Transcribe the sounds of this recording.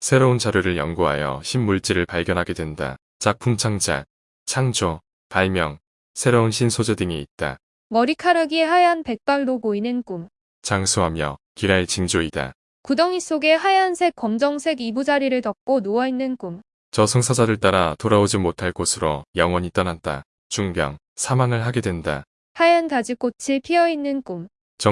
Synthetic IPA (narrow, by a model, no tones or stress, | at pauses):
sʰe̞ɾount͡ɕaɾjoɾɯɭjʌŋɡuɦa̰jʌ̰ɕʰimːuɭt͡ɕ͈iɾɯɭpaɭɡjʌnɦaɡe̞dwe̞nda̰ | t͡ɕ͈ak̚pʰumt͡ɕʰaŋd͡ʑa̰ | t͡ɕʰaŋd͡ʑo | paɭmjʌŋ | sʰe̞ɾounɕʰinsʰod͡ʑedɯŋiit̚t͈a̰ | mʌɾikʰaɾɯɡieɦajanpe̞k̚p͈aɭdopoinɯnk͈um | t͡ɕaŋsʰuɦamjʌ̰ | kiɾaet͡ɕiŋd͡ʑoida̰ | kudʌŋis͈oɡe̞ɦajansʰe̞k͈ːʌmd͡ʑʌŋsʰe̞ɡibud͡ʑaɾiɾɯɭtʌk̚k͈onuainːɯnk͈um | t͡ɕʌsʰʌŋsʰad͡ʑaɾɯɭt͈aɾatoɾaod͡ʑimotʰaɭk͈osʰɯɾo̰jʌŋwʌɲit͈ʌnat̚t͈a̰ | t͡ɕuŋbjʌ̰ŋ | sʰamaŋɯɭɦaɡe̞dwe̞nda̰ | hajantad͡ʑik͈ot͡ɕʰipʰiʌinːɯnk͈um | t͡ɕʌ